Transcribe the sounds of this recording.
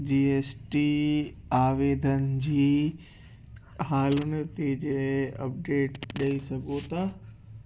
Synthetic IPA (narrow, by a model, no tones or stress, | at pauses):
d͡ʑiːeːsʈi | aːʋeːd̪ʱənd͡ʑiː | ɦaːlʊnət̪ed͡ʑeɐ̰p̚ɖeːʈɗɐisɐɡʱot̪aː